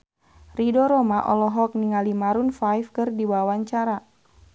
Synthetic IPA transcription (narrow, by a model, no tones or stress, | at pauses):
ridɔɾɔmaʔɔ̰lɔɦɔk̚niŋalimaɾunfajfkɨrdiwawaɲt͡ʃaɾa